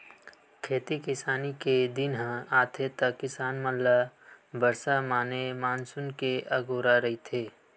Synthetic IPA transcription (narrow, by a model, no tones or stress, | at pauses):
kʰeːt̪ikɪsaːniked̪ɪnɦə̃aːt̪ʰet̪əkːɪsaːnməlːabəɾsamaːnemaːnsʊnkeʔɐɡoːɾaɾɐɦit̪ʰeː